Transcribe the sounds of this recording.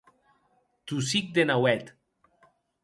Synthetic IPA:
t̪us̬ik̚d̪enawɛt̪

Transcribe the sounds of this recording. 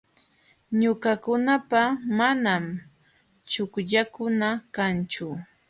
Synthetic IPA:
ɲʊkakʊnapamanam | t͡ʃʊkʎakʊnakant͡ʃʊ

